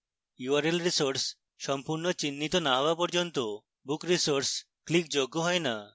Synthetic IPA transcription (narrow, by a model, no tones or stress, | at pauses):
juaɾelɾisoɾs | ʃɔmpuɾnot͡ɕinːit̪onaɦɔapɔɾd͡ʑont̪o | bukɾisoɾs | klikd͡ʑoɡːoɦɔena